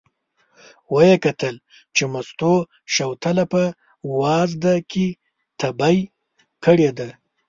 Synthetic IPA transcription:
wajekat̪əl | t͡ʃemast̪o | ʃawt̪alapə | wɑzd̪aki | t̪ʰabaj | kəɽed̪a

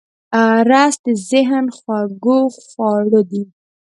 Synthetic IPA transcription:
ɑɾɑsd̪əzɪɦnxwaɡoxwɑɽod̪i

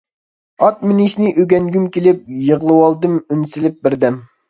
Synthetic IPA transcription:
ɑt̪̚mɪnɪʃnɪʔøɡʲɛŋɡʲymkʲelɪp̚jəʁlˠɨwɑlˠd̪ɨmynsɪlɪp̚bɪɾd̪ɛm

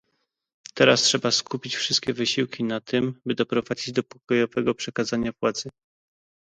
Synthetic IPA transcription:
t̪ɛɾastʂɛbaskʰupʲit͡ɕfʂɘst̪̚kʲɛvɘɕiwkʲinat̪ʰɘmbɘd̪ɔpɾɔvad͡ʑid͡ʑd̪ɔpɔ̥kɔjɔvɛɡɔpʂɛkazaɲavwat̪zɘ

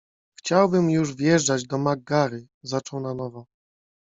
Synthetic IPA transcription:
xt͡ɕawbɘmjuʐvjɛʐd͡ʐad͡ʑd̪ɔmaɡaɾɘ | zat͡ʂɔwnanɔvɔ

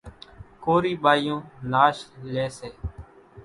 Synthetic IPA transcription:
koːɾiːɓaːijõːnaːʃleːseː

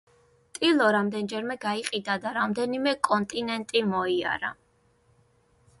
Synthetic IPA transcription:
t̪ʼilˠɔɾamd̪ɛnd͡ʒɛɾmɛɡaiqʼid̪ad̪aɾamd̪ɛnimɛkʼɔnt̪ʼinɛnt̪ʼimɔia̰ɾa̰

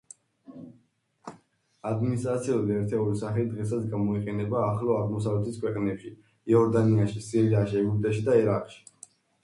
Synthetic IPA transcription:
ad̪minist̪ʼɾat̪sʰiuliɛɾt̪ʰɛulisaχlid̪ʁɛs̬asɡamɔiqʼɛnɛbaːχlɔaʁmɔs̬avlɛt̪ʰiskʰwɛqʼnɛpʃi | ɛɔɾd̪aniaʃisiɾiaʃiɛɡup̚t̪ʼɛʃid̪aɛɾaqʼʃi̥

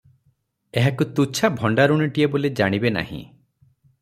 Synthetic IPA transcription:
eɦakut̪ut͡ʃʰabʱɔɳɖaɾuɽ̃iʈiebolid͡ʒaɽ̃ibena̰hḭ̃

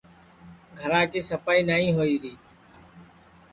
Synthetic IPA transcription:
ɡʱəɾãːkiːsəpaːiːnaːĩːɦoːiːɾiː

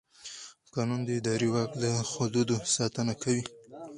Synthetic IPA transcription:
kɑnund̪əɪd̪ɑɾiwɑkd̪əxʊd̪ud̪osɑt̪ənakʰawi

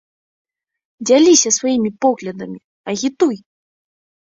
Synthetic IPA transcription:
d͡zʲalʲisʲɐsvajimʲipɔɣlʲɐd̪ɐmʲi | ɐɣʲit̪uj

